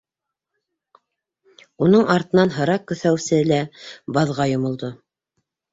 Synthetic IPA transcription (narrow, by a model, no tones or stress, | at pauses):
unɤɴɑɾt̪ɤ̆nɑnɦɤ̆ɾɑq̚kːɵ̆θæwsɘlæbɑðʁɑjŏmŏlˠd̪o